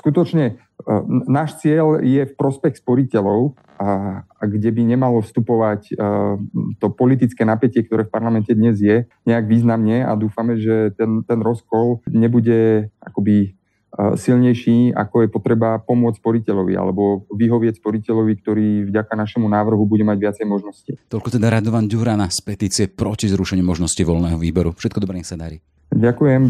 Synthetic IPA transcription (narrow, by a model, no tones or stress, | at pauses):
skut̪ɔt͡ʃɲɛ | naːʃt͡sɪɛljɛfpɾɔspɛxspɔɾicɛʎɔʊ | ɡɟɛbiɲɛmalɔfst̪upɔʋac | t̪ɔpɔlit̪̬it͡skɛːnapɛcɪɛkt̪ɔɾɛːfpaɾlamɛncɛd̪ɲɛzjɛɲɛaɡʋiːznamɲɛa̰d̪uːfamɛʒɛt̪ɛnt̪ɛnɾɔskɔlɲɛbuɟɛʔa̰kɔbi | silɲɛjʃiːa̰kɔjɛpɔt̪ɾɛbapɔmʊɔt͡st͡sspɔɾicɛʎɔʋḭa̰lɛbɔʋiɦɔʋɪɛcspɔɾicɛʎɔʋik̚t̪ɔɾiːvɟakanaʃɛmunaːʋr̩ɦubuɟɛmaɟʋɪat͡sɛjmɔʒnɔscit̪ɔʎkɔt̪ɛd̪aɾad̪ɔʋanɟuɾanaspɛt̪iːt͡siɪɛpɾɔcizɾuʃɛɲumɔʒnɔsciʋɔlnɛːɦɔʋiːbɔɾufʃɛt̪̚kɔd̪ɔbɾɛɲɛsad̪aɾiː | ɟakujɛm